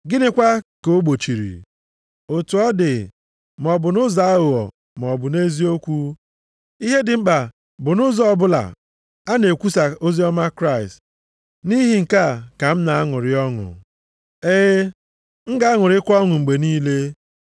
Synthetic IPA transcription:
ɡɪ˦nɪ˦kʷa˦ko˨˦ɡ͡bo˨t͡ʃi˨ɾḭ˨ | o˨tu˨ɔ˦dɪ˨ | m˨ɔ˨bʊ˨nʊ˦za˨˦a˦ʊ˨ɔ̰˨ | m˨ɔ˨bʊ˨ne˦zi˦o˦kʷu˦ | i˦ɦe˦dɪ˨ŋ͡m̩˦ɡ͡ba˨ | bʊ˨nʊ˦zɔ˦ɔ˨bʊ˦la̰˨ | a˦ne˨kʷu˦sa˨o˦zi˦ɔ˦ma˦kɾa˦ɪ˨st | ni˦ɦi˨ŋ̩˨ka˦˨ka˨m̩˦na˨a˦ŋʊ˨ɾɪ˨ɔ˦ŋʊ̰˨ | e˦ | ŋ̩˦ɡa˦a˦ŋʊ˨ɾɪ˦kʷɔ˦ŋʊ˨ŋ͡m̩˨ɡ͡be˨niː˦le˦

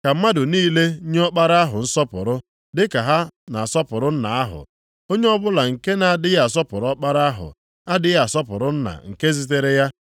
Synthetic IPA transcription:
ka˨m̩˦ma˦dʊ˨niː˦le˦ɲ˦ɔ˦k͡pa˦ɾa˦ɦʊ˨n̩˦sɔ˦pʊ̰˨ɾʊ˦ | dɪ˦ka˨ɦa˦na˨sɔ˦pʊ˨ɾʊ˦n̩˦na̰˨a˦ɦʊ̰˨ | o˦ɲe˦ɔ˦bʊ˦la˨ŋ̩˨ke˦na˨a˨dɪ˦ja˨a˨sɔ˦pʊ˨ɾɔ˦k͡pa˦ɾa˦a˦ɦʊ̰˨ | a˦dɪ˦ja˨a˨sɔ˦pʊ̰˨ɾʊ˦n̩˦na̰˨ŋ̩˨ke˦zi˦t̬e˦ɾe˦ja˦

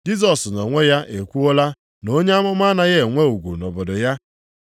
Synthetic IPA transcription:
d͡ʒi˦zɔ˨snɔ˨ŋʷe˦ja˦ʔe˨kʷu˦o˦la˦ | no˦ɲe˦a˦mʊ˦ma˦na˦ɣe˦˨ŋʷe˦u˨ɡʷṵ˨nɔ˨bʊ˨dʊ˨ja˦

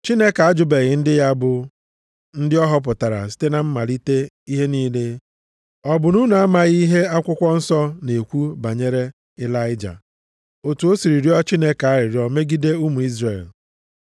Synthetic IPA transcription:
t͡ʃi˦ne˦ka˨a˦d͡ʒʊ˦be˨ɣɪ˨n̩˦dɪ˦ja˦bʊ˨ | n̩˦dɪ˦ɔ˦ɦɔ˦p̬ʊ˨ta˨ɾa̰˨s̬i̥˦te˦na˨m̩˦ma˨ɾi˦te˦ | i˦ɦe˦niː˦le˦ | ɔ˨bʊ˨nu˦na˨a˦ma˨ɣi˦ɦe˦a˦kʷʊ˦kʷɔ˦n̩˦sɔ˦ne˨kʷu˦ba˨ɲe˦ɾe˦ | ɪ˦la˦ɪ˦d͡ʒa̰˨ | o˨tu˨o˦si˨ɾi˨ɾjɔ˦t͡ʃi˦ne˦ka˦ɾɪ˨ɾjɔ˨me˦ɡi˦de˦u˦mu˨i˦zre˨l

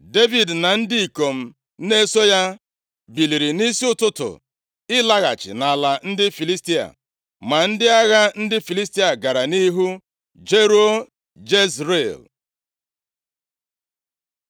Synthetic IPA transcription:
de˦vi˨dna˨n̩˦dɪ˦i˨ko˨m̩˦ | ne˦so˦ja˦ | bi˨li˨ɾi˨ni˦si˦ʊ˦tʊ˦tʊ̰˨ | ɪ˦la˦ɣa̰˨t͡ʃɪ̰˨na˨la˨n̩˦dɪ˦fi˨li˦sti˦a̰˨ | ma˨n̩˦dɪ˦a˦ɣa˦n̩˦dɪ˦fi˨li˦sti˦a˨ɡa˨ɾa˨ni˦ɦu˦ | d͡ʒe˦ɾo˦ | d͡ʒe˦szɾe˨l

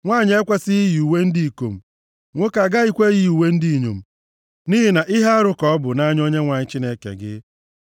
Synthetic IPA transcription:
ŋʷaː˦˨ɲɪ˨˦e˦kʷa˦sɪ˦i˦ju˨we˦n̩˦di˦i˨ko̰˨m̩˨ | ŋʷʊ˦ka˨ɡa˦i˦kʷe˦ɣi˦˨u˨we˦n̩˦di˦˨ɲo̰˨m̩˨ | ni˦ɦi˦na˨ʔɪ˦ɦa˦a˦ɾʊ˦kɔ˨ɔ˦bʊ˨na˦ɲ˦o˦ɲe˦ŋʷa˨ɲɪ˦t͡ʃi˦ne˦kḛ˨ɡɪ̰˦

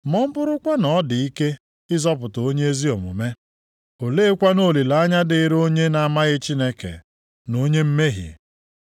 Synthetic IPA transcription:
mɔ˦m̩˦bʊ˦ɾʊ˦kʷa˦nɔ˨˦dɪ˨i˦ke˦ | ɪ˦zɔ˦pʊ˨tɔ˨o˦ɲe˦e˦zi˦ɔ˨mʊ̰˨me˦ | o˨leː˦kʷa˦no˦˨li˨la˨a˦ɲa˦dɪ˨ɪ˦ɾo˦ɲe˦na˨a˨ma˦ɣɪ˦t͡ʃi˦ne˦kḛ˨ | no˦ɲe˦m̩˦me˦ɦḭ˨

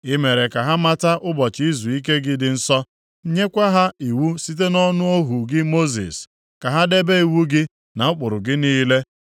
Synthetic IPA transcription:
ɪ˦me˨ɾe˨ka˨ɦa˦ma˦ta˦ʔʊ˦bɔ˨t͡ʃi˦zu˨i˦ke˦ɡɪ˦dɪ˨n̩˦sɔ˦ | ɲe˦kʷa˦ɦa˦i˨wu˦si˦t̬e˦nɔ˦nʊ˦o˦ɦu˨ɡɪ˦mo˦zḭ˨s | ka˨ɦa˦de˦be˦i˨wu˦ɡɪ˦ | na˨ʊ˦k͡pʊ˨ɾʊ˨ɡɪ˦niː˦le˦

